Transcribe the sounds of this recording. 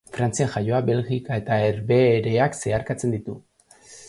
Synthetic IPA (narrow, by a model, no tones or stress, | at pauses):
fɾant͡sianʝajo̞abe̞lɣikae̞t̪aeɾβeɾe̞akse̞aɾkat͡se̞nd̪it̪u